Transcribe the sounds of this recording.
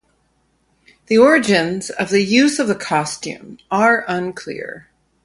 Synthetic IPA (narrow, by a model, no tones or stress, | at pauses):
ðiɔɹɨd͡ʒɨ̃nzʌvðɨjʉzʌvðɨkʰɑstʉ̰̃mə˞ʔʌ̃nkʰl̥ɪ̰ɹ